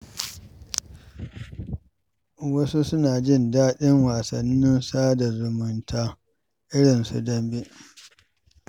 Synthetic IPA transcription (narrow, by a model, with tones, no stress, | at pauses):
wɐ˦su˦sʊ˦naː˨d͡ʒɪ˦˨ndaː˦ɗɪ˦ŋwaː˨sɐ̰˨nːɪ˦nsaː˦da˨zʊ˨mʊ˨ntʰaː˦ | ʔɪ˦ɽɪ˨nsṵ˨dɐ˦mbe˦ʔ